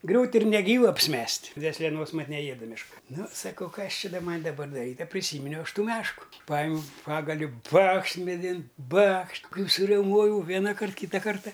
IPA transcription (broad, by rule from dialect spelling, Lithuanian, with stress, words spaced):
ˈɡrʲuːtʲ ɪr nʲɛˈɡʲiːʋʊ ɐpʲsʲɪˈmʲɛsʲtʲ dʲʋʲeːsʲlʲɛˈnoːs ˈmɐt nʲɛˈjeːdɐ mʲɛʃˈkɐ ˈnʊ sɐˈkɐʊ ˈkɐs ˈt͡ʃʲɪ dɐ ˈmɐnʲ dɐˈbɐr dɐˈrʲiːtʲ ɐ pʲrʲɪˈsʲiːmʲɪnʲɛʊ ˈɐʃ ˈtuː ˈmʲæːʃkʊ ˈpɑːjɪmʲɛʊ ˈpɑːɡɐlʲʊ ˈbɐkʃt mʲɛˈdʲɪn ˈbɐkʃ ˈkɐɪ sʊrʲɛʊˈmoːjɛʊ ˈʋʲæːnɐkɐrt ˈkʲiːtɐ ˈkɐrtɐ